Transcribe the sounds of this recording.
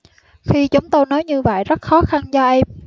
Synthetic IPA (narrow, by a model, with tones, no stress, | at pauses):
xi˧t͡ɕʊ˨˦ŋ͡mt̪o˧jnɔ˨˦jɲɨ˧və̰˧˨jzə˦˥t̚xɔ˨˦xa˧nzɔː˧ʔə˧m